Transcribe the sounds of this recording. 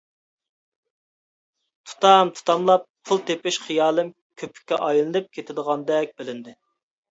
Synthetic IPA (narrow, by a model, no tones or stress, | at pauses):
t̪ʰu̥t̪ɑmt̪ʰu̥t̪ʰɑmlˠɑp̚pʰulˠt̪epɪʃχijɑːlˠɨm | kʲʰøpy̥kʲːɛʔɑjlˠɨnɨp̚kʲʰet̪ʰɪd̪əʁɑnd̪ɛk̚ʲbɪlɪnd̪ɪ